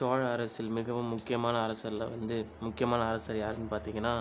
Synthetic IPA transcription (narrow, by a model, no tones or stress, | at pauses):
aːɻɐɾɐsɪlmɪɣɐʋɯ̃mmːʊkːɪjɐmaːnɐɐɾɐsɐɾlɐ̰ʋɐnd̪ɯ | mʊkːɪjɐmaːnɐɐɾɐsɐɾjaːɾɐnːɯpaːɾt̪iːŋɡɐnːaː